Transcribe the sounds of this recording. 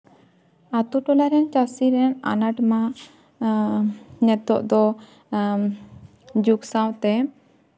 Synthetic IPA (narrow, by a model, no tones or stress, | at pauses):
at̪uʈɔlaɾɛnt͡ʃasiɾɛna̰naʈma | nɛt̪ɔʔd̪ɔ | d͡ʒuksawt̪ɛ